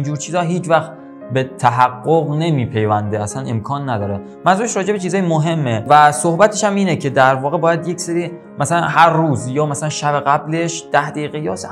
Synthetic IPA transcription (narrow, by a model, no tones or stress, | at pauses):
ind͡ʒuːɾt͡ʃʰiːzɒːɦiːt͡ʃvæxt̪ | be̞t̪ʰæɦæɡːoɣne̞miːpʰe̞jvænd̪eæsænʔe̞̰mkʰɒːnːæd̪ɒːɾe | mænzuːɾeʃɾɒːd͡ʒe̞be̞t͡ʃʰiːzɒːjemoɦe̞mːevæsohbæt̪ʰeʃæmiːnecʰe̞d̪æɾvɒːɣe̞bɒːjæd̪jecseɾiː | mæsælænhæɾːuːzjɒːmæsælænʃæbeɣæble̞ʃd̪̥æhd̪eiːɣejɒːs